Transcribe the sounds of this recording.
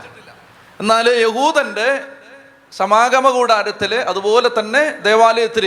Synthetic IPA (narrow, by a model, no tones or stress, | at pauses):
enːaːljeɦuːd̪ɐnde̞ | sɐmaːɡɐmɐɣuːɽaːɾɐt̪ːilʔɐðubo̞ːlet̪ːɐnːe̞d̪e̞ːʋaːlɐjɐt̪ːiɾi